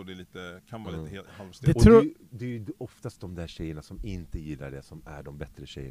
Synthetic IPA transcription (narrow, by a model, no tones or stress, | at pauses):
ɔd̪ɛliːt̪əkʰanʋaliːt̪əhehalsd̪ɛɔt̪ːd̪ɛjɔft̪ast̪̚d̪ɔmd̪æɾɕɛjːəɳasɔmɪnt̪əjɪlːa̰ɖɛsɔmæ̰ɖɔmbɛt̪ɾəɕɛ̰jːə̰ɳ